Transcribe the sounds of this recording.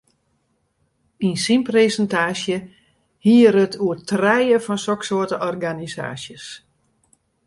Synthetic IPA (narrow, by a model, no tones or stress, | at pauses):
insinpresəntaːsjə | hiəəɾətʰuətrɛjəfɔnsɔksoətəʔɔrɡanisa̰ːsjəs